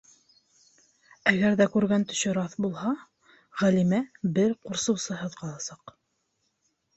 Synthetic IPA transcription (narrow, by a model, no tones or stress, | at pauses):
æɡæɾðækʉɾɡænt̪ɵ̥̆ʃɵɾɑθbulˠhɑ | ʁælimæbɘɾquɾsɤ̆wsɤ̆ɦɤðqɑlˠɑsɑq